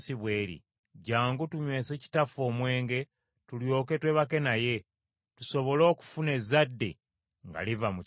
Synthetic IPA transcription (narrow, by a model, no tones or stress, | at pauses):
siβwe̞ːɾḭ | ɟaːŋɡutuɲwe̞ːse̞ːci̥tafo̞ːmwe̞ːŋɡe̞ | tuljo̞ːke̞twe̞βake̞naje̞ | tuso̞βo̞lo̞ːku̥fune̞zadːḛ | ŋɡa̰livamu